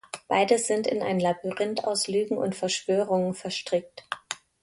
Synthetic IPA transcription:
b̥aɪdəz̥ɪntɪ̰na̰ɪnlabyʁɛnta̰ʊslyːɡŋ̩ʔʊ̰ntfɛɐʃv̥øːʁ̞ʊŋənfɛɐʃtʁ̥ɪk̚t

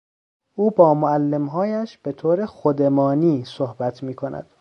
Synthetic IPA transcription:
ʔuːbɒːmoælːe̞mɦɒːjæʃb̥e̞t̪ʰoːɾexod̪e̞mɒːniːsohbæt̪ʰmiːkʰo̞nʔæ̰d̪̥

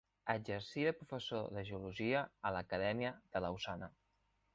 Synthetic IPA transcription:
əd͡ʒəɾsiəpɾufəsoðəʒəuluʒiəːləkəðɛmiəð̥ələwsanə

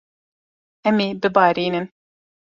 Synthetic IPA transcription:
ɛmeːbɨbɑːɾiːnɨn

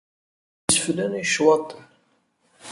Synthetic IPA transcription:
sflæniʃwɑt̪ˤːn

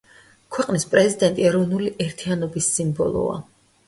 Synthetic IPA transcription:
kʰwɛqʼnispʼɾɛzid̪ɛnt̪ʼiɛɾɔvnuliʔɛɾt̪ʰianɔbisːimbɔ̰lˠɔ̰a̰

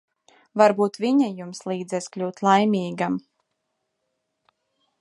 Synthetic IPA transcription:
vaɾbuːt̪vʲiɲajumslˠiːd̪zɛsklʲuːt̪lˠajmʲiːɡam

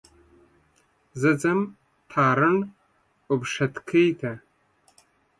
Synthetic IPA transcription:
zɨd͡zʼɐm | tʰaːɾɨn | ʊbʂɐtkʰejtʰa

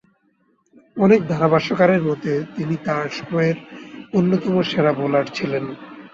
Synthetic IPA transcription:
ɔnek̚d̪ʱaɾabaʃokaɾeɾmɔt̪et̪init̪aɾʃɔ̥mɔeɾonːot̪ɔmoʃeɾabolaɾt͡ɕʰilen

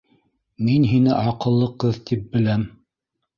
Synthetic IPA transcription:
minɦinɘʔɑqɤ̆lˠːɤqɤðt̪ip̚bɘ̆læm

